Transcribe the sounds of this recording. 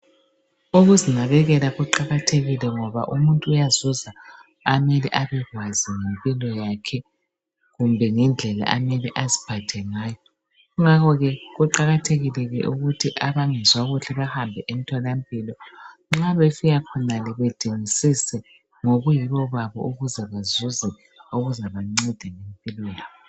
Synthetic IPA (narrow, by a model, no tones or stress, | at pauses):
oɣuziŋ͡ǀʱaβɛɣɛlaɣuǃaɣatʰeɣilɛŋɔβa̰ʔumuntʼuːjazuzaː | meliʔaβɛɣwaziŋempʼilɔjakʰɛ | ɣumbʱɛŋɛnd͡ɮʱɛla̰ʔameliʔazi̥b̥ʱad̥ʱɛŋaːjɔ | uŋakɔɣɛɣuǃaɣatʰeɣilɛɣɛʔuɣutʰiʔaβaŋɛzwaɣuɬɛβahambʱɛʔemitʰɔlampʼilɔŋ͡ǁaβefiɣakʰɔnalɛβɛtʼeŋisisɛ | ŋoɣujiβɔβaβɔ̰ʔuɣuzɛβazuzɛ | oɣuzaβaŋ͡ǀɛd̥ʱɛŋempʼilwɛːli